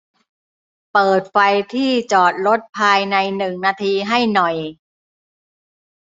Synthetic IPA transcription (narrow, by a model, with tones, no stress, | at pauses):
pɤː˨˩t̪̚fa˧jt̪ʰiː˥˩t͡ɕɔː˨˩t̪̚ɾo˦˥t̪̚pʰaː˧jna˧jnɯ˨˩ŋnaː˧t̪ʰiː˧ɦa˥˩jnɔ˨˩j